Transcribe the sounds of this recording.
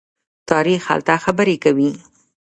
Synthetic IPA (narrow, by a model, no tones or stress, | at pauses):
t̪ɑɾixha̰lt̪axabəɾekawi